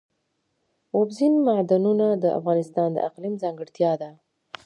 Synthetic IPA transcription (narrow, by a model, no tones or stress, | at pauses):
obzinmaʕd̪anunad̪əʔa̰fɣɑnɪst̪ɑnd̪ə̰ʔaqlimzɑŋɡəɽt̪jɑd̪a